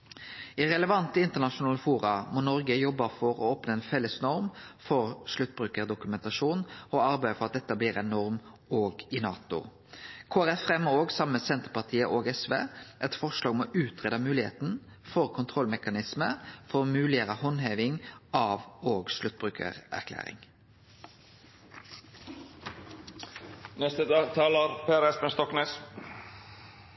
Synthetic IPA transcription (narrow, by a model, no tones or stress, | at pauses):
ɪɾɛləʋɑnt̪əɪnt̪əʁnɑʃʊnɑːləfuːɾɑmɔnɔɾɡəjɔbːəfɔɾɔ̰oːpnəɛɪnfɛlːəsnɔɾmfɔɾʂlʉt̪̚ːbʁʉːkəʁd̪ʊkʉmɛnt̪ɑʂuːnɔɑɾbæɪəfɔʁɑt̪̚d̪ɛt̪ːəbliːɾɛnɔɾm | oːɡɪnɑːt̪ʊ̰ | kʰoːæɾɛfʁɛməoːɡsɑmːəsɛnt̪əʁpɑʁt̪ʰiːəʔoːɡɛsʋḛːʔɛt̪fɔʁʃlɑːɡɔmoːʔʉːt̪ʰʁeːd̪ɑmʉːlɪhḛːt̪n̩ | fɔʁkʰʊnt̪ʰʁɔlmɛkɑnɪsməfɔʁomʉːlɪəʁəhɔnɦeːʋɪŋɑːʋoːɡslʉt̪̚ːbʁʉːkʰə̰ʁæ̰ʁkʰlæ̰ːɾɪ̰ŋ | nɛst̪əd̪ɑːɡt̪ʰɑːləɾpʰeːæɾɛspənst̪ɔkneːs